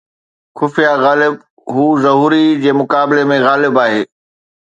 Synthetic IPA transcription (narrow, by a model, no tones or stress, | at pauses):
xʊfijaɣaːlɪb | ɦuːzɐɦuːɾid͡ʑeːmʊkaːbɪlemẽɣaːlɪbaːɦeː